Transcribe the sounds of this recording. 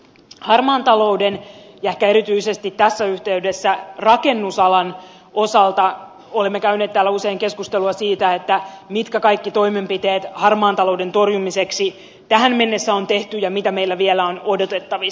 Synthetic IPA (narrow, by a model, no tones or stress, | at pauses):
hɑrmɑːnt̪ɑlo̞uden | jɑehkæeɾit̪yisest̪it̪t̪ːæsːæyht̪eydesːærɑke̞nːusɑlɑn | o̞sɑlt̪ɑ | olemːekæyneːt̪t̪ːæːlːæuseiŋke̞skust̪eluɑsiːt̪æet̪ːæmit̪kækɑjkːit̪o̞ime̞mpit̪eːt̪hɑrmɑːnt̪ɑlowde̞nt̪o̞rjumiseksi | t̪æhænme̞nːesːæo̞nt̪e̞ht̪yjɑmit̪æmeilːæʋielæono̞do̞t̪e̞t̪ːɑʋi